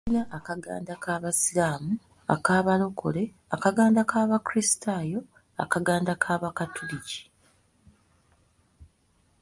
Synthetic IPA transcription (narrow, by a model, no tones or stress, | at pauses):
naʔakaɡa̰ːndakʰaːβasilaːmu | a̰kaːβalo̞kʰo̞̰le̞ | akaɡaːndakaːβakuɾistʰaːjo̞ | a̰kaɡaːndakʰaːβakatʰulici̥